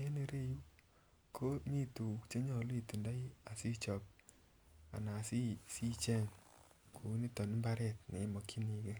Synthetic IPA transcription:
e˦ne˨ɾe˦ju˦ | kʰo˦mi˦tu˨t͡ʃe˦ɲɔ˦˨li˨tu˨nda˦i˦a˨si˦t͡ʃɔ˨p̚ | a̰˨na˨si˦si˦t͡ʃe˦˨ŋ | kʰu˨˦ni˦tɔ˨ni˦mba˦ɾɛ˦˨tnɛ̰˨˦mɔ˨kʰi˦ni˨ke˦

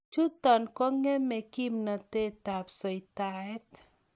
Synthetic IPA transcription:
t͡ʃu˦t̪ɔ˨nkɔ˦ŋːe˦mɛ˨ki˦mna˨t̪e˦t̪a˨psɔ˨jt̪aɛt̪

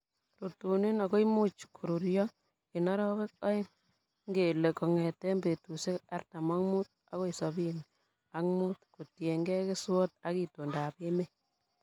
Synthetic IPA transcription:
rotu˨ni˦na˨ko˦imu˦t͡ʃkʰu˨ɾuɾjɔ˦ | i˨nɔ˦ɾɔ˦be˦k̚ɔ˦ɪ˦ | ŋɡe˨le˨kɔ˨ŋɛ˨tɛ˦mbe˨tu˨se˦ka˦rta˨ma˦ŋmu˦t̚ | a˦ko˦i˨sɔ˨bi˦n | a˦kmu˦tku˨tje˨ŋɡɛ˦ke˦swɔ˦t̚a˦ki˨to˨nda˨pe˦me˦

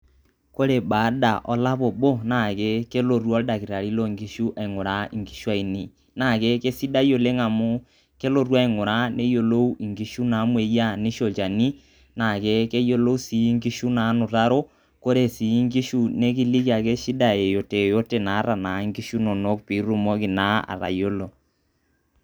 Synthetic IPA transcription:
ko˦ɾe˨ba˨˦da˨ʔɔ˦la˦βo˨bo˦na˨ke˦ke˦lo˨ɾwɔ˦da˨ki˨ɾa˨ɾi˦lo˦˨ŋɡi˦ʃu˦ʔa˨i˨ŋo˨ɾa˦i˨ŋɡi˨ʃu˦a˦i˨ni˨ | na˨ke˦ke˦si˦da˦jo˨le˦ŋa˨mo˦ | ke˦lo˨ɾwa˦i˨ŋo˨ɾa˦ne˦jo˦lo˦u˦i˨ŋɡi˨˦ʃu˦na˨˦mwe˨˦ja˦ni˦ʃo˨t͡ʃa˨ni˦ | na˨ke˦ke˦jo˦lo˦u˦si˨˦ŋɡi˦ʃu˦na˨˦nʊ˨ta˦ɾo˦ | ko˦ɾe˨si˨˦ŋɡi˦ʃu˦ne˦k̬i˦li˦ki˦a˨ke˦ʃi˦da˨e˨jo˨te˨jo˦te˨na˨˦ɾa˨na˨˦ŋɡi˦ʃu˦no˨no˦k̚pi˨˦ɾu˦mo˦ki˨na˦a̰˨ɾa̰˨jo˦lo˨

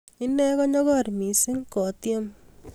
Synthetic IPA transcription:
i˦nɛ˦kɔ˦ɲɔ˦kɔ˦˨rmi˨sɪ˦ŋkɔ˨tje˦m

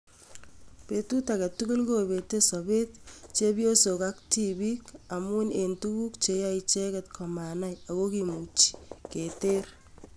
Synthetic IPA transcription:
petu˦take˨tukʊ˦lko˦be˨te˦sobe˦tt͡ʃe˦bio˦so˨ka˦kti˦bika˨mu˦ne˨ntu˦ku˦kt͡ʃe˨ja˦it͡ʃekɛtkʰɔma˨na˦ja˨ko˦kimu˨t͡ʃi̥ke˨ter

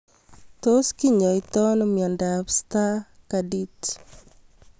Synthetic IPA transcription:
to˦ski˦ɲɔ˨ɪtɔ˦nɔmjɔ˨ndapsta˦kadi˦t

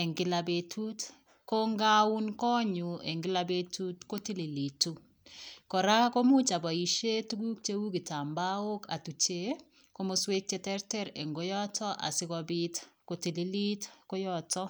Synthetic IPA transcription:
e˨ŋɡɪ˨labe˨tʰu˦t | ko˦ŋɡa˦u˦nkɔ˦ɲu˨ḛ˨ŋɡɪ˦la˦be˦tu˦tko˦ti˦li˨li˨tu˦ | kɔ˨ɾa˦ko˦mu˦t͡ʃa˨bɔ˨i˨ʃe˦tu˦ɡu˦k̚t͡ʃe˦wu˦ɡi˨ta˨mba˦o˦ka̰˨tu˨t͡ʃe˦ | ko˦mo˦swe˦k̚t͡ʃe˦tɛ˦ɾtɛ˦ɾe˨ŋɡo˨jɔ˦tʰɔ˦ʔa̰˨sɪ˦kɔ˨bi˦tko˨ti˨li˦li˦tko˦jɔtɔ˦

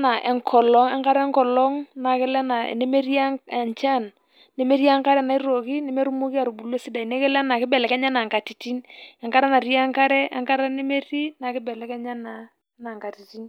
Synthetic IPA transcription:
na˨ʔɛ˨ŋkʰɔ˨lɔ˦ŋɛ˦ŋka˦ɾɛ˦ŋkɔ˨lɔ˦ŋna˨kɪ˦lɛ˦na̰˨ne˦me˦ri˦a˦˨ɲt͡ʃa˦˨n | ne˦me˦ɾja˦ŋka˦ɾɛ˦na˨i˦ɾo˨ki˦ne˦me˦ɾu˦mu˦ki˦a˨ɾu˨bu˨le˦si˦da˨i˨ne˦kɛ˦lɛ˦na˨kɪ˦bɛ˨lɛ˨kɛ˦ɲa˦na˨ŋka˨ti˨ti˦nɛ˨ŋka˦ɾɛ˦na˨ɾi˦a˦ŋka˦ɾɛ˦ɛ˦ŋka˦ɾɛ˦ne˦me˦ri˦na˨kɪ˦bɛ˨lɛ˨˦kɛ˦ɲa˦na˨ | na˨ŋka˨ti˨ti˦n

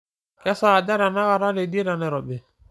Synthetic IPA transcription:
kɛ˦saː˦˨da˦ɾa˨na˦ɣa˨ɾa˦ɾe˨de˦ɾa˨nɛ˨ɾɔ˨bɛ˨

